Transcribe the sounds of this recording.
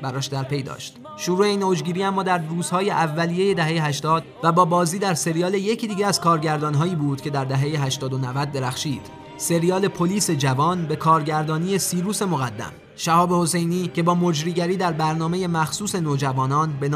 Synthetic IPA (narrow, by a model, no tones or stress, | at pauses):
bæɾɒːʃd̪æɾpʰe̞jd̪ɒ̰ːʃt̪ | ʃuɾuːeiːnːod͡ʒɡiːɾiːæmːɒːd̪æɾruːz̥hɒːjeʔævːælije̞je̞d̪æɦejeɦæʃt̪ɒːd̪væbɒːbɒːziːd̪æɾse̞ɾijɒːleje̞cʰid̪iːɟeæz̥kʰɒːɾɟæɾd̪ɒːnɦɒːiːbuːd̪̥cʰe̞d̪æɾd̪æɦejeɦæʃt̪ɒːd̪onævæd̪̚ːe̞ɾæxʃiːd̪̥ | se̞ɾijɒːle̞pʰo̞liːse̞d͡ʒævɒːnbe̞kʰɒːɾɟæɾd̪ɒːniːje̞siːɾuːse̞mo̞ɣæd̪ːæ̰m | ʃæhɒːbeho̞se̞jniːcʰe̞bɒːmo̞d͡ʒɾiːɟæɾiːd̪æɾbæɾnɒːme̞je̞mæxsuːse̞noːd͡ʒævɒːnɒːnbe̞nː